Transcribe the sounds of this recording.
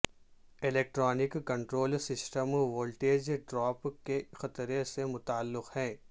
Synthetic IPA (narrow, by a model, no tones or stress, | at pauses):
ɪleːk̚ʈɾɔːnɪkːɐ̃ɳʈɾoːlsɪsʈəmʋoːlʈeːd͡ʒɖɾɔːpkexɐt̪ɾesemʊt̪aːlːɪqhɛ̃ː